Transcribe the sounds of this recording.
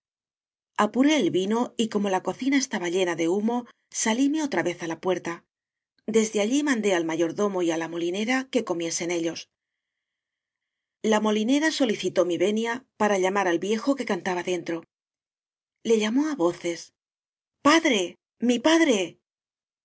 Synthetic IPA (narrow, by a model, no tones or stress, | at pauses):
apuɾe̞ːlβino̞iko̞mo̞lako̞θinae̞st̪aβaʎe̞naðe̞umo̞ | salime̞o̞t̪ɾaβe̞θalapwe̞ɾt̪a | d̪e̞zðeaʎimãnd̪e̞almaʝo̞ɾðo̞mo̞ialamo̞line̞ɾake̞ko̞mje̞se̞ne̞ʎo̞s | lamo̞line̞ɾaso̞liθit̪o̞miβe̞njapaɾaʎamaɾalβje̞xo̞ke̞kant̪aβaðe̞nt̪ɾo̞ | le̞ʎamo̞aβo̞θe̞s | paðɾe̞ | mipaðɾe̞